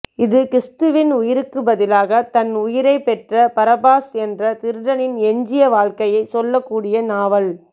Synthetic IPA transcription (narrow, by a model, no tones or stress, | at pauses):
ɪðɯkɪɾɪst̪ɯʋɪnʊjɪɾɯkːɯbɐðɪlaːɣɐt̪ɐnʊjɪɾɐɪpːɛʈrɐpɐɾɐbaːsɛndrɐt̪ɪɾɯɽɐnɪnɛɲd͡ʒɪjɐʋaːɻkɐjɐɪsɔlːɐkːuːɽɪjɐnaːʋɐl